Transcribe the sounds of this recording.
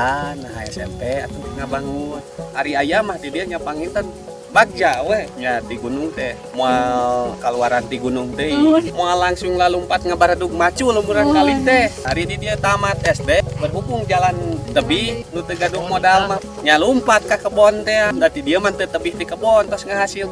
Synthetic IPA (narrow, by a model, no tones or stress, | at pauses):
anaɦa̰ja̰sɛ̰mpɛat̪ut̪ɛŋabaŋuaɾiajamahdidiəɲapaŋint̪an | bak̚d͡ʒawɛɲat̪iɡunʊŋt̪ɛ | moakaluaɾant̪iɡunuŋt̪əimoalaŋsuŋlalumpat̪̚ŋabaɾaduk̚mat͡ʃulumuɾankalit̪ɛaɾididiət̪amat̪ɛst̪ɛbərɦukuŋd͡ʒalant̪əbihnut̪əɡadukmodalmah | ɲalumpat̪̚kakəbɔnt̪ɛadat̪idiəmant̪ət̪əbiht̪ikəbɔnt̪ɔsŋaɦasil